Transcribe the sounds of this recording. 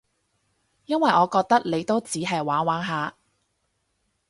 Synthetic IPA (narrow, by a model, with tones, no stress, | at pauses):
jɐ˥nwɐ˨jʔɔː˨˧kɔː˧k̚t̪ɐ˥k̚le˨˧jt̪o˥wt͡siː˨˥ɦɐ˨jwaː˨˥nwaː˨˥nɦaː˨˧